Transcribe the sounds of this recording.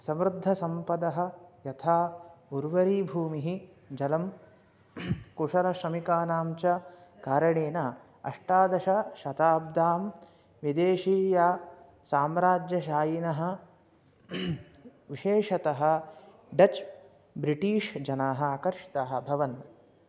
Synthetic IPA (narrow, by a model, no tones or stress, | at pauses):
sɐmɾud̪ʱːɐsɐmpɐd̪ɐɦɐ̆jɐt̪ʰaːuɾʋɐɾiːbʱuːmiɦi | d͡ʒɐlɐm | kuʂɐɾɐʃɾɐmikaːnaːmt͡ʃɐkaːɾɐɳeːnɐ | ɐ̰ʂʈaːd̪ɐʃɐʃɐt̪aːb̚d̪aːm | ʋid̪eːʃiːjaː | saːmɾaːd͡ʒjɐʃaːjinɐɦɐ̆ | ʋiʃeːʂɐt̪ɐɦɐ̆ | ɖɐt͡ʃ | bɾiʈiːʂd͡ʒɐnaːɦɐ̆aːkɐɾʂi̥t̪ɐɦɐ̆bʱɐʋɐn